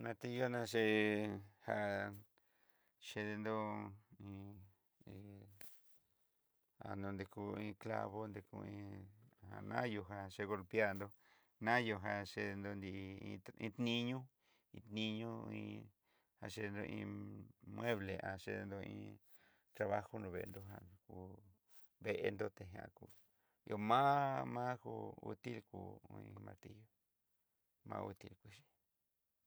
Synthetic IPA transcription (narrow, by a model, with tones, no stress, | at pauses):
nã˧t̪e˧jo˦nã˧ʃ̬e˧ | ha˧ | ʃe˧ðe˧nd̪o˦˧ĩ˧ | a̰˨nd̪o˧nd̪e˧ku˧ĩː˧kla̰˦˧βo˦nd̪e˧kṵ˧ĩː˧˦ha̰˧˨nã˦jo˧ɦa˧ʂe˧ɣo˧lpja˦˧nd̪o˧ | nã˦jo˧ɦa˧ʂe˧ðe˧nd̪o˧nd̪i˧ĩ˧ĩ˧t̪nĩ˦ɲũ˦ | ĩ˧t̪nĩ˧ɲũ˦ĩ˧ | a˧ʂe˧nd̪o˧ʔĩ˧mwe˦βle˨ʔa̰˨ʃḛ˧˦˧nd̪o˧ḭ̃˧˦ | t̪ɾa˧βa˦xo˦nd̪õ˧βe˧˨˧nd̪o˧ɦã˧ku˧ | βe˧ʔe˧nd̪o˧t̪e˧ɦj̃ã̰˧˨ku˧˨ | jo˧mã˦mã˦ku˧ṵ˧˦t̪i˦lkṵ˧ĩ˧mã̰˧ɾt̪i˦jo˦ | mã̰˦˧ṵ˧t̪i˧lkʷi˧ʃi̥˧